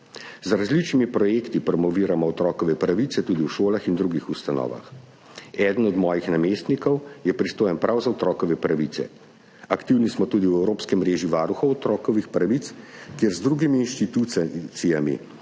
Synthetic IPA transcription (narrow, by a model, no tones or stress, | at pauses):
zɾazlit͡ʃnimipɾɔjeːkt̪ipɾɔmɔʋiːɾamɔɔt̪ɾɔːkɔʋɛpɾaʋit̪sɛt̪uːd̪iwʃoːlaxind̪ɾuɡixust̪anɔ̰ːʋa̰x | ɛd̪ənɔd̪mɔːjixnameːst̪nikɔwjɛpɾist̪oːjɛnpɾawzaɔt̪ɾɔːkɔʋɛpɾaʋit̪sɛ̰ | akt̪iwnismɔt̪uːd̪iwɛwɾoːpskɛmːɾeːʒiʋaːɾuxɔɔt̪ɾɔːkɔʋixpɾaʋit̪skjɛɾzd̪ɾuɡimiːnʃt̪it̪usijamḭ